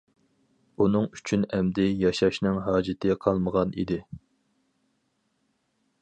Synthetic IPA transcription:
unɨŋy̥t͡ʃʰynɛmd̪ɪjɑʃɑʃnɪŋɦɑːd͡ʒɪt̪ʰɪqʰɑlˠməʁɑnʔḭd̪ɪ

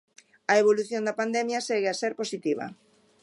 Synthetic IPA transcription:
ɐeβoluθjond̪ɐpand̪ɛmjɐseɣeaseɾposit̪iβ̞ɐ̰

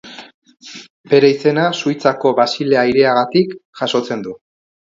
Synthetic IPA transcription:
be̞ɾeise̞nasujt͡sako̞βasile̞aiɾe̞aɣat̪ikʝaso̞t͡se̞nd̪u

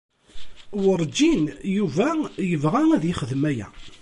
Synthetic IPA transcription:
wəɾˤd͡ʒːinjuvæjəvʁææðjɪχəðmæjæ̰

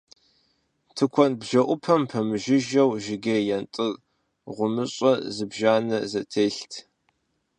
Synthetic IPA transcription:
tʰɨkʷʰɔnbʒɐʔʷʊpʰɐmpʰɐmɨʒɪʒɐwʒɪɡɐjɛntʼɨr | ʁʷʊmɨɕʼɐzɨbʒaːnɐzɐtʰeːɬtʰ

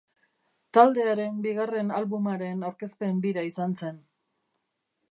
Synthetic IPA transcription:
t̪ald̪e̞aɾe̞mbiɣ̞are̞nalβumaɾe̞nawɾke̞spe̞mbiɾaisanse̞n

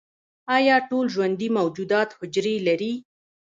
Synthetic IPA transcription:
ɑjɑʈolʒwand̪imawd͡ʒud̪ɑt̪hʊd͡ʒɾelaɾi

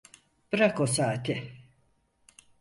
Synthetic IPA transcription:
b̥ɯɾakosaːt̪ʰɪ

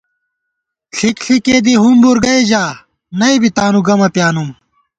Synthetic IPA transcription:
ɬʰikɬʰikeːd̪iɦunbuɾɡɐid͡ʑaː | nɐibit̪aːnuɡɐmɐpjaːnum

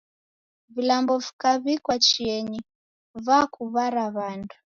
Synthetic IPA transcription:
vilambɔvikaβikwat͡ʃiɛɲi | vakuβaɾaβandu̥

